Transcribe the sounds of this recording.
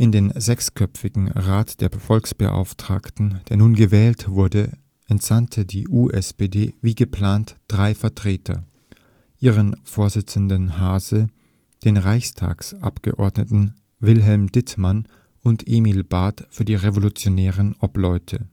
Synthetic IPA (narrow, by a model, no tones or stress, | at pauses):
ʔɪndeːnzɛkskʰœpp͡fɪɡŋ̩ʁaːtd̥eːɐfɔlksb̥ə̰ʔa̰ʊftʁ̥a̰ːktn̩d̥eːɐnuːnɡəvɛːltv̥ʊɐdə | ʔɛntz̥antʰədiːʔuːʔɛspeːdeːviːɡəpl̥aːntd̥ʁaɪfɛɐtʁ̥eːtʰɐ̰ | ʔiːʁənfoːɐzɪt͡sn̩dənhaːzə | d̥eːnʁaɪçstʰa̰ːksʔa̰pɡ̥ə̰ʔɔ̰ɐdnətn̩ | vɪlɦɛlmd̥ɪtman | ʊntʔemilbaːtfyːɐdiːʁevolut͡sjonɛːʁənʔɔplɔʏtʰə